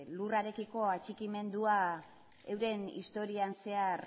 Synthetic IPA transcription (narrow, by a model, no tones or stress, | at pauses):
luraɾe̞kiko̞at͡ʃikime̞nd̪ua | ewɾe̞nḭst̪o̞ɾianse̞ar